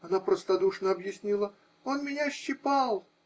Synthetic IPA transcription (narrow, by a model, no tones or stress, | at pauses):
ɐnapɾəst̪ɐd̪uʂnəɐbjɪsʲnʲilˠə | o̞nmʲɪnʲaɕːɪpalˠ